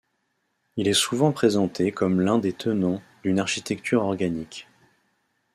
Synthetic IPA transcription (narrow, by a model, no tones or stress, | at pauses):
ilɛsuvɑ̃pχezɑ̃t̪ʰekɔmlɛ̃d̪et̪ʰənɑ̃d̪ynaʁʃit̪ɛk̚t̪ʰyʁɔʁɡanik